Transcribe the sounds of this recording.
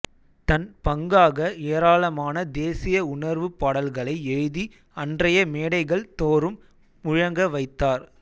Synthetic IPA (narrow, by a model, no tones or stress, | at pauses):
t̪ɐnpɐŋɡaːɣɐeːɾaːlɐmaːnɐd̪eːsɪjɐʊnɐɾʋɯpɐɽɐlɣɐɭɐɪɛɻði | ɐndrɐjɐmeːɽɐɪɣɐɭt̪oːɾɯm | ʊɻɐŋɡɐʋɐɪt̪ːaːɾ